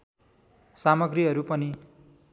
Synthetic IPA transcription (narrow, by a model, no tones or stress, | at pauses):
samʌɡriɦʌɾupʌni